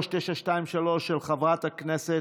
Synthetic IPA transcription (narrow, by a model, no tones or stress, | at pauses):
ʃteʃaʃtaimʃalo̞ʃːelχavʁat̪haknese